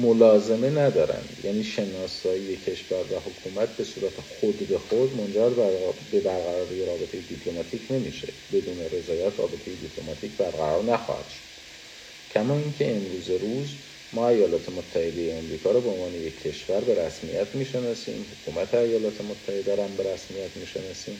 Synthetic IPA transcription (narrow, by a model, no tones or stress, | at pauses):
molɒːze̞me̞næd̪ɒːɾæ̰nd̪̥jæ̰ːniːʃe̞nɒːsɒːije̞cʰe̞ʃvæɾvæho̞kʰuːmæt̪̚ʰbe̞suːɾæt̪ʰexod̪be̞xod̪mo̞nd͡ʒæɾbæbe̞bæɾɣæɾɒːɾijeɾɒːbe̞t̪ʰe̞jed̪ipʰlo̞mɒːt̪ʰiːcʰne̞mḭʃe̞̰ | be̞d̪uːne̞ɾe̞zɒːjæt̪ʰrɒ̰ːbe̞t̪ʰe̞jed̪ipʰlo̞mɒt̪ʰiːcbæɾɣæɾɒːɾnæxɒ̰hæ̰d̪̥ʃo̥d̪̥ | cʰæmɒːincʰe̞emɾuːzeɾuːz | mɒːæjɒːlɒːt̪ʰe̞mot̪ʰːæhe̞d̪e̞jeːmɾiːkʰɒːɾɒbeonvɒːne̞je̞cʰːe̞ʃvæɾbe̞ɾæsmḭjæt̪ʰmiːʃenɒːsḭːmhokʰuːmæt̪ʰeæjɒːlɒːt̪ʰe̞mot̪ʰːæhe̞d̪æɾæmbe̞ɾæsmijæt̪ʰmiːʃe̞nɒːsiːm